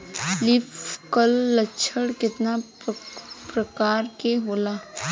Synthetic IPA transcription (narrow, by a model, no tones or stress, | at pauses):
lɪfkəlːətːʃʰəɽkɪt̪na | pɾəkaːɾkeɦoːlaː